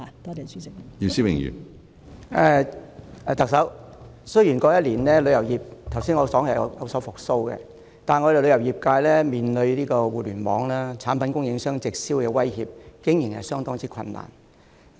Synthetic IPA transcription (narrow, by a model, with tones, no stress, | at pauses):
a˨t̪ɔː˥tɛ˨syː˨˥sɪ˥k̚ji˧siː˥wɪ̰˨˩ŋjy̰˨˩n | ɛ˨˧ | ɛ˧t̪ɐ˨k̚sɐ˨˥w | sɵ˥ɥjiː˨˩nkɔː˧jɐ˥t̚liː˨˩nlɛː˥lɵ˨˧jɐ˨˩wjiː˨˩p̚t̪ʰɐ˨˩wsiː˥nŋɔː˧sɔː˨˥ŋɐ˨˩jɔ˨˧jɐ̰˨˧wsɔː˨˥wfʊ˨k̚so˥wkɛ̰˧ | t̪aː˨˩nŋɔː˨˧ɾe˨lɵ˨˧jɐ˨˩wji˨˩p̚kaː˧jlɛː˥miː˨˩nlɵ˨˧ɥliː˥kɔː˧wuː˨lyː˨˩nmɔ̰ː˨˥ŋlaː˥t͡sʰaː˨˥npɐ˨˥nkʊ˥ŋjɪ˨˧˥ŋsœː˥ŋt͡sɪ˨k̚siː˥wkɛː˧wɐ˥jhiː˨p̚kɪ˨˥ŋji˨˩ŋhɐ̰˨jsœː˥ŋt̪ɔː˥ŋt͡siː˥kʷʰɐ̰˧nːa̰ː˨˩n